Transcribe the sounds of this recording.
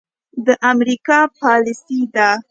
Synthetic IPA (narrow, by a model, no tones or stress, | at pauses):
d̪əʔamɾikɑpɑlɪsid̪a